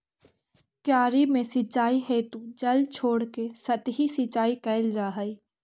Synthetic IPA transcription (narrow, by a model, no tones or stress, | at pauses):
kjaːɾimẽsɪt͡ʃːaːiɦeːt̪ud͡ʒɐlt͡ʃʰoːɽkesɐt̪ɦisɪt͡ʃaːikəɪld͡ʒaːɦəi